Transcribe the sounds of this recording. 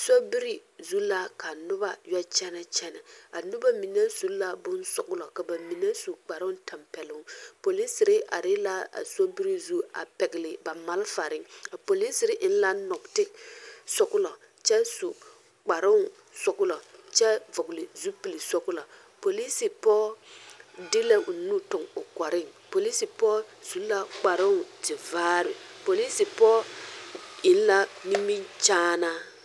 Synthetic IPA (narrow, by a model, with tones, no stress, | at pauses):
so˦bi˦ɾi˨zu˦la˦ka˨nʊ˦ba˦jɔ˦t͡ʃɛ˦nɛ˦t͡ʃɛ˦na˨a˨nʊ˦ba˦mi˨nɛ˦su˨˦la˦bʊ˦nsʊ̰˨kʊ˦lɔ˨ka˨ba˨mi˨nɛ˦su˨k͡pa˨ɾʊ˦ta˨mpɛ˨lʊ˦ŋ˦po˨li˦sɪ˨ɾɪ˦ʔa̰˨ɾɪ˦la˦a̰˨so˦bi˦ɾi˦zu˦a̰˨pɛ˨ɡɪ˨lɪ˨ba˨ma˦lfa˨ɾɪ˦ŋa˨po˨li˦sɪ˨ɾɪ˦ʔɪ˦n̩˦la˦nɔ˨ktɪ˦ksɔ˦kʊ˦lɔ˨ | t͡ʃɛ˦su˨ | k͡pa˨ɾɪ˦˨ | sɔ˦kʊ˦lɔ˨t͡ʃɛ˦vɔ˨klɪ˨zu˦pi˨li˨sɔ˦kʊ˦la˨ | po˨li˦si˨pɔː˦ | dɪ˦le˦u˨nu˦tʊ˨ŋʊ˨kɔ˨ɾɪ˦˨ŋpo˨li˦si˨pɔː˦su˨˦la˦k͡pa˨ɾɪ˦˨tɪ˨vaː˦ɾɪ̰˨po˨li˦si˨pɔː˦ | ɪ˨n˦la˦ni˦mi˦nt͡ʃaː˦na˦